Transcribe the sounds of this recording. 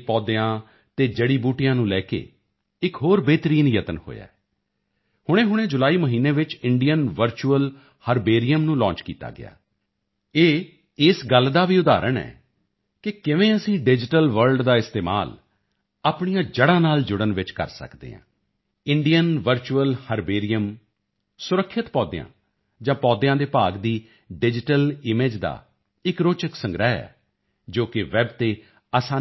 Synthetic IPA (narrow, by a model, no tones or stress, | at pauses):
pɔːd̪eãː | t̪eːd͡ʒəɽiːbuːʈɪjãːnũːlɛːkḛː | ɪkɦoːɾbeːt̪ɾiːnjət̪ənho̰ːja̰ːɛ | hʊɽ̃ẽːɦʊɽ̃eːd͡ʒʊlaːiːməɦiːneːʋɪt͡ʃɪɳɖijənʋəɾt͡ʃuəl | həɾbeːɾijəmnũːlɔ̃ːt͡ʃkḭːt̪a̰ːɡɪ̰a̰ː | eː | ɪsɡəlːd̪aːʋiːʊd̪a̰ːɾʔəɳɛ̰ː | kɪkɪʋẽːəsĩːɖɪd͡ʒɪʈəlʋəɾlɖd̪aːɪst̪eːma̰ːl | aːpɳijãːd͡ʒəɽãːnaːld͡ʒʊɽənʋɪt͡ʃkə̰ɾsə̰kd̪ḛːã̰ː | ɪɳɖijənʋəɾt͡ʃuəlhəɾbeːɾɪjəm | sʊɾəkʰːɪt̪pɔːd̪ɪ̰jã̰ː | d͡ʒãːpɔːd̪ɪjãːd̪eːpaːɡd̪iː | ɖɪd͡ʒɪʈəlɪmeːd͡ʒd̪a̰ː | ɪkɾoːt͡ʃəksə̃ŋɡɾaːɛ̰ː | d͡ʒoːkɪʋɛːbt̪eː | aːsaː